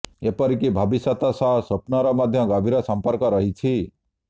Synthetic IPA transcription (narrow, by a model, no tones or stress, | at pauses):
epʌɾikibʱʌbisat̪asaɦsʌpnʌɾɔmʌd̪ʱjʌ̃ɡʌbʱiɾʌsʌmpʌɾkʌɾʌɦit͡sʰi